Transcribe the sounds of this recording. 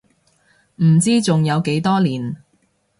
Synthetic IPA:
m̩˨˩t͡siː˥t͡sʊ˨ŋjɐ˨˧wke˨˥jt̪ɔː˥liː˨˩n

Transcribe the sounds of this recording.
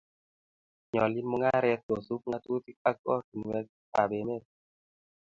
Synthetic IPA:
ɲɔ˨li˦mu˦ŋa˦ɾɛ˦t̚o˨su˦k̚ŋa˦t̪u˦ti˦ka˦k̚ɔ˦tu˨n˨wɛ˦k̚ | a˨be˨me˦t̚

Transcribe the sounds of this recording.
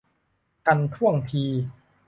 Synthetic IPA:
ka˧nt̪ʰu˥˩əŋp̪ʰiː˧

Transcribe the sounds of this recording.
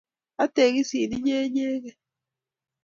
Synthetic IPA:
a˦te˨ɣi˦si˨ni˦ɲe˦ɲe˦ɣe˨

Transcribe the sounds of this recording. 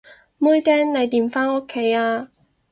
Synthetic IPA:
mu˥jt̪ɛː˥nle˨˧jt̪iː˨˩mfaː˥no˥kʰːe˨˥jaː˧

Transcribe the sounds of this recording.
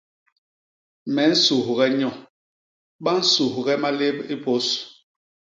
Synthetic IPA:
mɛ˨˦n̩˦su˨hɣɛ˦ɲɔ˨ | ɓa˦n̩˦su˨hɣɛ˦ma˦le˦bi˦po˦s

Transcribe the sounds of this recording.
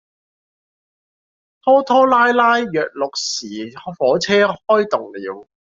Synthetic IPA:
t̪ʰɔː˥t̪ʰɔː˥laː˥jlaː˥jːœː˨k̚lʊ˨k̚siː˨˩fɔː˨˥t͡sʰɛː˥hɔː˥jt̪ʊ˨ŋlḭː˨˥w

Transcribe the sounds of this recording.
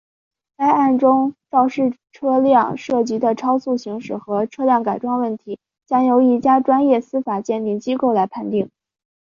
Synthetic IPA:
a˥ɪa˥˩nʈ͡ʂʊ˥ŋt͡sɑ˥˧ʊʂɻ̩˥˩ʈ͡ʂʰɤ˥ljɑ˥˧ŋʂɤ˥˩t͡ɕi˧˥d̪ə˧ʈ͡ʂʰɑ˥ʊsu˥˩ɕi˧˥ŋʂɻ̩˨˩xɤ˧˥ʈ͡ʂʰɤ˥ljɑ˥˩ŋka˨˩ɪʈ͡ʂwɑ˥ŋwə˥˩nt̪ʰi˧˥ | t͡ɕjɑ˥ŋjo˧˥ʊi˥˩t͡ɕja˥ʈ͡ʂwa˥njɛ˥˩sɹ̩˥fa˨˩t͡ɕjɛ˥˧nt̪i˥˩ŋt͡ɕi˥ko˥˩ʊla˧˥ɪpʰa˥˧nt̪i˥˩ŋ

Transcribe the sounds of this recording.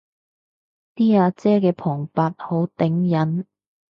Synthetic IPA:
t̪iː˥aː˨˧t͡sɛː˥kɛː˧pʰɔː˨˩ŋpaː˧t̚ho˨˥wt̪ɪ˨˥ŋjɐ˨˥n

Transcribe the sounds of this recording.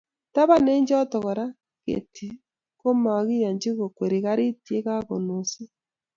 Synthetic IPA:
ta˦βa˦ne˦ɲd͡ʒɔ˦tɔ˨ɣɔ˨ɾa˦ | ɣḛ˨tʰi˨ | ko˦ma˨ɣi˦ja˨ɲd͡ʒi˦ɣo˨kwe˨ɾi˨ɣa˦ɾi˦ti˦e˦ɣa˦ɣo˨no˨si˦

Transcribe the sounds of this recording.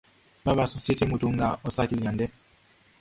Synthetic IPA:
ba˦βa˨su˨se˦se˦mu˨tu˨˦ŋ˦ɡa˨ɔ˨sa˦ki˨la˨ndɛ˦

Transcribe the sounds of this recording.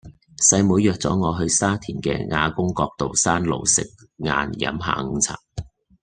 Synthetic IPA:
sɐ˧jmu˨˧jœː˨k̚t͡sɔ̰ː˨˥ŋɔː˨˧ɦɵ˧ɥsaː˥t̪ʰiː˨˩nkɛ̰ː˧ŋa̰ː˧kʊ˥ŋkɔː˧k̚t̪o˨wsaː˥nlo˨˩wsɪ˨k̚ | ŋa̰ː˧njɐ̰˨˥mɦa̰ː˨˧ŋ̩˧t͡sʰa̰ː˨˩k̚

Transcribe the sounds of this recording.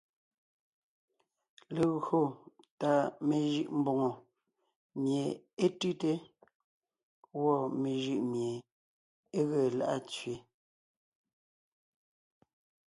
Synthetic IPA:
le˨ɣo˦˨ | ta˨me˨ʒɯ˦˨ʔm̩˦bo˨ŋo˨ | mje˨ | e˦tʉ˦te˦ | wɔ˦˨me˨ʒɯ˦˨ʔmje˨ | e˦ɣɛ˨la̰˦˨ʔa˦t͡sɥe˨

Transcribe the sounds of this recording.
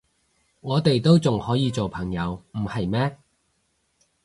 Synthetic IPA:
ŋɔː˨˧t̪e˨jt̪o˥wt͡sʊ˨ŋhɔː˨˥jiː˨˧t͡so˨wpʰɐ˨˩ŋjɐ˨˧wm̩˨˩hɐ˨jmɛː˥

